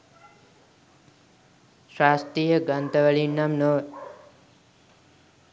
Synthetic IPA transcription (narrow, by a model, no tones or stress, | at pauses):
sast̪ɾijəɡənt̪əʋəɭinamno